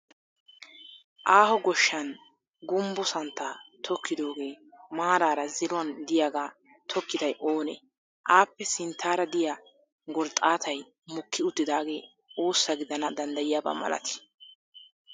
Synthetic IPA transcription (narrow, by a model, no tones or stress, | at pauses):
ʔaːhɔɡɔʃːɐn | ɡʊmbʊsɐnt̪ːat̪ʰɔkːɪd̪o̞ːɡe̞ː | maːɾaːɾɐzɪɾʊɐnd̪ɪjaːɡaː | t̪ʰɔkːɪd̪ɐjʔoːnɛ̰ | ʔaːpːɛsɪnt̪ʰːaːɾɐd̪ɪja | ɡɔɾt̪ʼaːt̪ʰɐj | mʊkʰːɪʊt̪ːɪd̪aːɡe̞̰ː | o̞ːsːɐɡɪd̪ɐnɐd̪ɐnd̪ɐjɪjaːba̰mɐ̰lɐ̰t̪ɪ̥